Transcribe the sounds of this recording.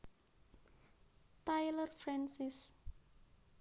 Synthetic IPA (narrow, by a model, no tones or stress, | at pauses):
t̪ajlərfɾɛnsɪs